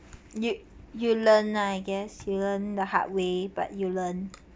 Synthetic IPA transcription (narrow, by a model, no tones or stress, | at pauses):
jujulə̃najɡɛsjulə̃ndəha̰ʔ̚weba̰t̚julə̃n